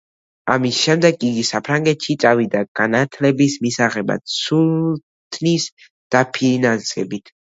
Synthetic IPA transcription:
amisʃɛmd̪ɛɡʼiɡisapʰɾaŋɡɛt̪ʃit̪sʼavid̪aɡ̥anat̪ʰlɛbismisaʁɛba̰d̪sul | t̪ʰnis | d̪̥apʰinansɛbit̪ʰ

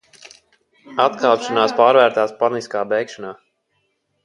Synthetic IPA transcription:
at̪kaːpʃanaːspaːɾvæːɾt̪aːspaniskaːbɛjkʃanaː

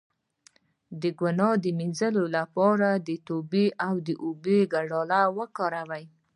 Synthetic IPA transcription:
d̪əɡwʊnɑd̪əminzəlolapɑɾad̪ət̪obeʔawd̪əʔobeɡaɽɑlawəkɑɾawaj

